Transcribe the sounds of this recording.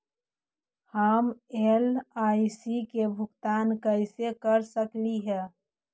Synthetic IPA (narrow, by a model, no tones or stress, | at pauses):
haːmelaːisikebʱʊɡt̪aːnkəɪsekəɾsəkliɦɛː